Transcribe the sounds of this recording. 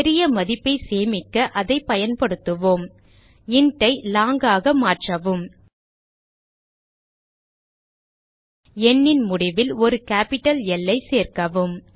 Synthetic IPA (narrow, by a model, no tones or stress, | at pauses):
ɾɪjɐmɐðɪpːɐɪseːmɪkːɐʔɐðɐɪpːɐjɐnpɐɽɯt̪ːɯʋoːm | ɪɳʈːɐɪlaːŋɡaːɣɐmaːʈrɐʋɯm | ɛɳːɪnmʊɽɪʋɪlɔɾɯkaːpɪʈːɐlɛlːɐɪseːrkɐʋɯm